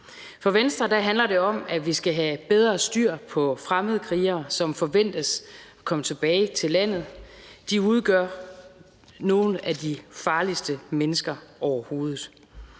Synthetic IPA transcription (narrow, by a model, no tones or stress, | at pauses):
fɒ̽ʋensd̥ʁɐd̥æɦænlɐɾe̝ɒ̽mæʋisɡ̥æɦæb̥eð̞ˠʁɐːsd̥yɐ̰pʰɒ̽fʁaməðˠkʰʁiːɐsɒ̽mfɒ̽ʋen̰d̥əsɒkʰɒ̽mət͡sʰe̝b̥ɛːɪt͡sʰe̝læn̰ð̞̩ˠd̥iuð̞ˠɡ̥ɶɐ̰ | no̝ːn̩æd̥ifɑ̈ːlisd̥əmenəsɡ̥ɐʔɒʊɐho̝ːð̩ˠ